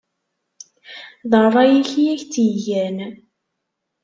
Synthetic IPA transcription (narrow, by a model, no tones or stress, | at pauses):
ðˤərˤɑjiçijæçt͡sijæn